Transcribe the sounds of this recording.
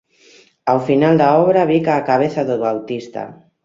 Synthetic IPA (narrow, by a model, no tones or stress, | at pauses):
awfinald̪aɔβɾaβikaːkaβeθaðoβawt̪ist̪a̰